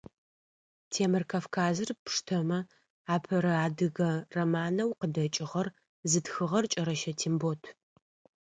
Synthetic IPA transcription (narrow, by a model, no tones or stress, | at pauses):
tʰeːmɨrkʰaːfkʰaːzɨrpʂtʰɐmɐ | aːpʰɐɾɐaːdɨɣɐrɐmaːnɐwqədɐt͡ʃʼɪʁɐr | zɨtxɨʁɐrt͡ʃʼɐɾɐʃɐtʰimbotʰ